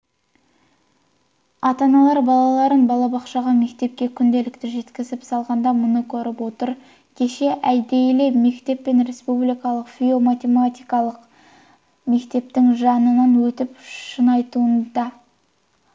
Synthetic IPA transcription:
ɑt̪ɑnɑlˠɑɾbɑlˠɑlˠɑɾənbɑlˠɑbɑqʃɑʁɑme̞kt̪e̞p̚kʲe̞kʲʰʏnd̪e̞lɪkt̪ɪʒe̞t̪kʲɪzɪpsɑlˠʁɑnd̪ɑmʊnəkʲʰɵɾɪpwo̞t̪əɾ | kʲʰe̞ʃe̞ʔæjd̪ejle̞me̞kt̪e̞pːe̞nɾe̞spublijkɑlˠəqfʲio̞mat̪ʲe̞mat̪ʲijkɑlˠəq | me̞kt̪e̞p̚t̪ɪŋʒɑnənɑnwɵt̪ɪpʃənɑjt̪uənd̪ɑ

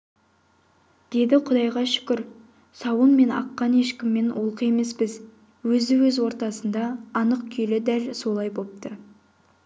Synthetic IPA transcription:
d̪̥e̞d̪ɪqʰʊd̪ɑjʁɑʃʏ̥kʲɪɾ | sɑwənme̞nɑ̰qːɑne̞ʃkʲɪmːe̞nolˠqəje̞me̞spɪz | wɵzɪwɵzwo̞ɾt̪ɑsənd̪ɑːnəq̚kʲʰilɪd̪ælso̞lˠɑjbo̞p̚t̪ə

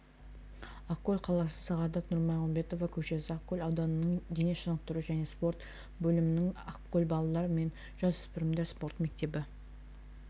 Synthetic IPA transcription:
akːolʲqʰɑlˠɑsəsɑʁɑd̪ɑt̪nʊɾmɑjʁʊmbe̞t̪ovɑkʲʰɵʃe̞sɪakːolʲɑwd̪ɑnənəɴd̪ene̞ʃənəq̚t̪ʊɾəʒæne̞spo̞ɾt̪ | bɵlɪmɪnɪŋɑqkolʲbɑlˠɑlˠɑɾəme̞n | ʒ̥ɑzʏspɪɾɪmd̪e̞ɾspo̞ɾt̪me̞k̚t̪e̞bɪ

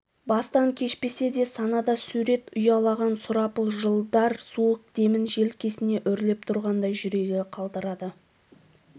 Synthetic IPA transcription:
bɑst̪ɑŋkʲʰe̞ʃpe̞se̞d̪e̞sɑnɑd̪ɑsuɾe̞t̪ʊjɑlˠɑʁɑnsʊɾɑpəlˠʒəlˠd̪ɑɾsuəq̚d̪e̞mɪnʒe̞lkʲʰe̞sɪne̞ʔʏɾle̞p̚t̪ʰʊɾʁɑnd̪ɑjʒʏɾe̞ɡʲɪqʰɑlˠd̪əɾɑd̪ə

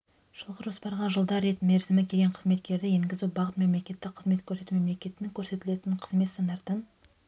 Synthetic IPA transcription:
ʒ̥əlˠʁəʒo̞spɑɾʁɑʒəlˠd̪ɑɾe̞t̪me̞ɾzɪmɪkʲʰeɡʲeɴqʰəzme̞t̪kʲe̞ɾd̪ɪjeŋɡʲɪzubɑʁət̪me̞mle̞kʲe̞t̪ːɪkqʰəzme̞t̪̚kʲʰɵɾse̞t̪umemle̞kʲe̞t̪ɪnɪŋkʲʰɵɾse̞t̪ɪle̞t̪ɪɴqʰəzme̞t̪sɑnd̪ɑɾt̪ən

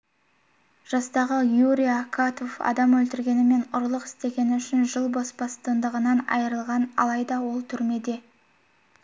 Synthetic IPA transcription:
ʒ̥ɑst̪ɑʁəjuɾʲijakʰat̪o̞fɑ̰d̪ɑmwɵlt̪ɪɾɡʲe̞nɪme̞nʊɾlˠəqɪ̥st̪e̞ɡʲe̞nɪʏʃɪnʒəlˠbɑsbɑst̪ənd̪əʁənɑnɑ̰jəɾəlˠʁɑnɑ̰lˠɑjd̪ɑwo̞lˠt̪ʰʏɾme̞d̪e̞

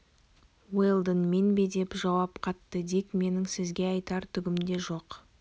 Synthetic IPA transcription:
welˠd̪ənme̞nbe̞d̪e̞pʒɑwɑpqʰɑt̪ːəd̪e̞kme̞nɪŋsɪzɡʲe̞ɑjt̪ɑɾt̪ʰʏɡʲɪmd̪e̞ʒo̞q

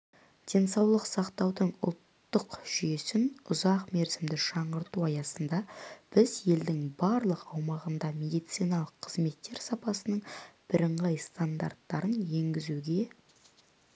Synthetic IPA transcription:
d̪̥ʲe̞nsɑwlˠəqsɑqt̪ɑwd̪əɴʊ̰lˠt̪ːəqʒ̥ʏje̞sɪnʊzɑqme̞ɾsɪmd̪ɪʃɑɴʁəɾt̪uɑjɑsənd̪ɑb̥ɪzje̞ld̪ɪŋbɑɾlˠəqɑwmɑʁənd̪ɑme̞d̪ijt̪sijnɑlˠəqʰːəzme̞t̪ːe̞ɾsɑpɑsənəɴb̥ɪɾəɴʁɑjst̪and̪a̰rt̪ːɑɾənje̞ŋɡʲɪzuɡʲe̞

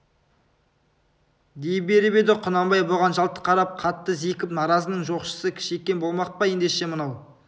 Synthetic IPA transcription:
d̪ejbe̞ɾɪbe̞d̪ɪqʰʊnɑmbɑjbolʁɑnʒɑlˠt̪ə̥qʰɑɾɑp̚qʰɑt̪ːəzikʲɪpnɑɾɑzənəɴʒo̞qʃə̥səkʲʰɪ̥ʃekʲːe̞nbo̞lˠmɑq̚pɑje̞nd̪eʃe̞mənɑw

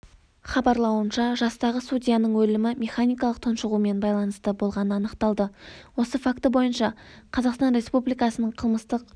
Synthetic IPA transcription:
χɑbɑɾlˠɑwənʃɑʒɑst̪ɑʁəsudʲijanəɴwɵlɪmɪmʲe̞χanʲijkɑlˠəq̚t̪ʰonʃəʁume̞nbɑjlˠɑnəst̪əbo̞lˠʁɑnənɑnəqt̪ɑlˠd̪əwo̞səfakt̪əbo̞jənʃɑ | qʰɑzɑqst̪ɑnɾe̞spublijkɑsənəɴqʰəlˠməst̪əq

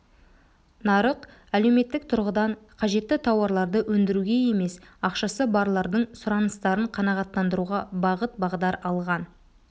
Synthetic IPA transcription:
nɑɾəq | æle̞wme̞t̪ːɪk̚t̪ʰʊɾʁəd̪ɑɴqʰɑʒe̞t̪ːɪt̪ʰɑwɑɾlˠɑɾd̪əwʔɵnd̪ɪɾuɡʲe̞je̞me̞sɑqʃɑsəbɑɾlˠɑɾd̪əɴsʊɾɑnəst̪ɑɾəɴqʰɑnɑʁɑt̪ːɑnd̪əɾuʁɑbɑʁət̪̚bɑʁd̪ɑɾɑlˠʁɑn

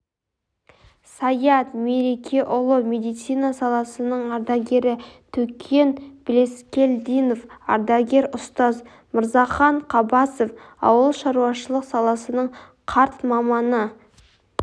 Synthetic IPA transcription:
sɑjɑt̪me̞ɾe̞kʲʰe̞ʔʊlˠəme̞d̪ijt̪sijnɑsɑlˠɑsənəɴɑɾd̪ɑɡʲe̞ɾɪt̪ʰɵkʲʰe̞nb̥le̞skʲe̞ld̪ijnofɑ̰ɾd̪ɑɡʲe̞ɾʊst̪ɑz | mʊɾzɑχɑɴqʰɑbɑsofɑ̰wəlˠʃɑɾuɑʃəlˠəqsɑlˠɑsənəɴ | qʰɑɾt̪mɑmɑnə

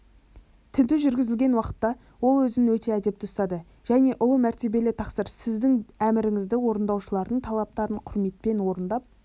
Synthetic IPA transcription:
t̪ʰʏnd̪ɪʒʏɾɡʲɪzɪlʲɡʲe̞nwɑqə̥t̪ːɑ | wo̞lˠwɵzɪnɪwɵt̪e̞æd̪e̞p̚t̪ɪʊst̪ɑd̪ə | ʒ̥æne̞ʔʊlˠəmæɾt̪e̞be̞lɪt̪ʰɑqsəɾsɪzd̪ɪŋæmɪɾɪŋɪzd̪ɪwo̞ɾənd̪ɑwʃəlˠɑɾd̪əɴt̪ʰɑlˠɑp̚t̪ɑɾəɴqʰʊɾme̞t̪̚pe̞nwo̞ɾənd̪ɑp̚

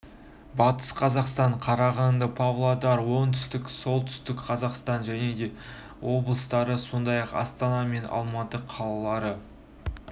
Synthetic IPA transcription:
bɑt̪ə̥sqʰɑzɑqst̪ɑɴqʰɑɾɑʁɑnd̪əpʰavlˠod̪ɑɾwo̞nt̪ʰʏ̥st̪ɪkso̞lˠt̪ʰʏ̥st̪ɪkqʰɑzɑqst̪ɑnʒæne̞d̪e̞ | wo̞blˠəst̪ɑɾəso̞nd̪ɑjɑqɑ̰st̪ɑnɑme̞nɑ̰lˠmɑt̪əqʰɑlˠɑlˠɑɾə

